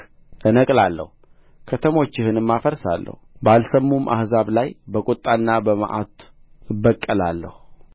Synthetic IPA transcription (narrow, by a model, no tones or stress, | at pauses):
ʔɨnəkʼlalːə̰hu | kʰət̪ʰəmo̞t͡ʃːɪhɨnɨmːafəɾsa̰lːə̰hubalsəmːumʔa̰hzaβlajbəkʼʊt̪ʼːanːabəmə̰ʔat̪ | ɨbːəkʼːəlalːə̰hu